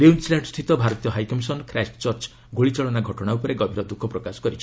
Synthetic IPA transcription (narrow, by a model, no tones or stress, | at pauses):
niunslaɳɖst̪ʰit̪ɔbʱaɾɔt̪ijɔɦajkɔmsɔnkɾast͡ʃɔɾt͡ʃ | ɡʱoɭit͡ʃɔɭɔnaɡʱɔʈɔɽ̃aupɔɾeɡɔbʱiɾɔd̪ukʰɔpɾɔkasɔ̥kɔɾit͡ʃʰi̥